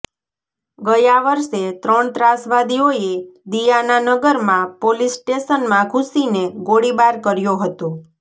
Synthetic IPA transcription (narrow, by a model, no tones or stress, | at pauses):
ɡəjaʋəɾʃet̪ɾəɳt̪ɾasʋad̪ioed̪ijananəɡəɾmãpolisʈeʃənmãkʰusineɡoɽibaɾkəɾjoɦət̪õ